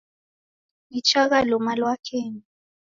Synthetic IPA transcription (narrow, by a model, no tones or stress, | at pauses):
it͡ʃʰʼaɣalɔmalwakʰeːni